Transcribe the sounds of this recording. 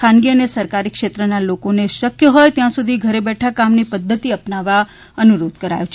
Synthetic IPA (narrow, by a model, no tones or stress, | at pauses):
kʰanɡiənesəɾkaɾikʃet̪ɾənalokoneʃəkjəɦojt̪jãsud̪ʱiɡʱəɾebɛʈʰakamnipəd̪ʱːət̪iəpnaʋa | ənuɾod̪ʱkəɾa̰jut͡ʃʰ